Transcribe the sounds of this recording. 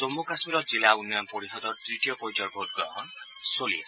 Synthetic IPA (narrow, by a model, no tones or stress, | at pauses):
t͡somːokasmiɾɔd͡zilaunjɔnpɔɾiɦɔd̪ɔtɾiʈijɔpojd͡ʒɔrbʱod̚ɡɔɦn | solie